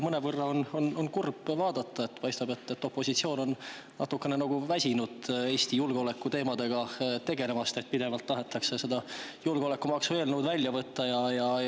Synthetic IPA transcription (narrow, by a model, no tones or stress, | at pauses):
mɤnevɤrːɑono̞no̞nkurb̥vɑːd̪̥ɑt̪ːɑe̞t̪pɑjst̪ɑbe̞t̪ːet̪ːo̞pːˑo̞sit̪sio̞ːno̞n | nɑ̰t̪ːukːˑe̞nenɑɡ̥uvæsʲinud̪̥eːst̪ijulɡ̥o̞le̞kːˑut̪e̞ːmɑd̪e̞ɡ̥ɑt̪e̞ɡ̥e̞le̞mɑst̪e̞t̪̚pid̪e̞vɑlt̪ːɑɦe̞t̪ːˑɑkse̞se̞d̪̥ɑjulɡ̥eo̞le̞kːumɑksuveːlnuwd̪vælʲjɑvɤt̪ːɑjɑjɑ